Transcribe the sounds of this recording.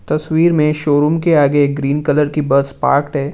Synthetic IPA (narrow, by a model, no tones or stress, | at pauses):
t̪ɐswiːɾmẽʃoːɾuːmkeaːɡek̚ɡɾiːnkɐləɾkibɐspa̰ːɾkʈɦɛː